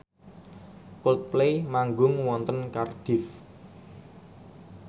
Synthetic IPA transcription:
kɔlt̪̚plemaŋɡʊŋwɔnt̪ənkard̥ɪ̤f

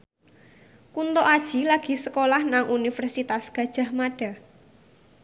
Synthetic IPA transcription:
kunt̪oʔad̥ʒ̥i̤laɡ̥i̤səkolahnaŋʔunifərsit̪asɡ̥a̤d̥ʒ̥a̤hmaɖ̥a̤

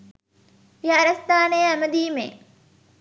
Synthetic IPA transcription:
jaɾɐst̪aːnejæməd̪iːmḛː

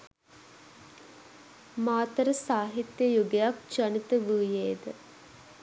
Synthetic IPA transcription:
maːt̪əɾəsaːɦit̪jəjuɡejak̚t͡ʃanit̪əʋuːjeːd̪ə

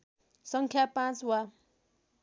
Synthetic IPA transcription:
sʌŋkʰjapãt͡swa

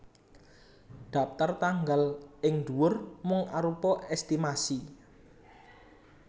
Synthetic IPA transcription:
ɖ̪̥a̤p̚t̪art̪aŋɡalɪŋd̪uwʊrmʊŋaɾupɔʔɛst̪imasi

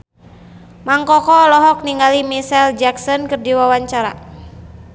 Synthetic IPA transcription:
maŋkɔkɔlɔɦɔk̚niŋɡalimisɛld͡ʒaksɔnkɨrdiwawaɲt͡ʃaɾa̰

